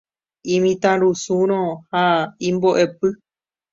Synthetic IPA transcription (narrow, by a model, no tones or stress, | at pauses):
ĩmĩt̪ãɾusũɾ̃õhaĩmboʔe̞pɨ